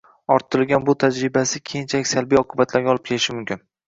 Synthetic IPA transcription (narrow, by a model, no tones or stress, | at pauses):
ɒɾt̪ʰːɪɾɪlɡʲanbʊt̪ʰad͡ʒɾɪbasɪkʲʰejɪnt͡ʃʰalɪkʲsalbijɒqʰʊbat̪ʰlaɾɡʲaɒlɪp̚kʲʰe̞lɪʃɪmʊmkʲʰɪn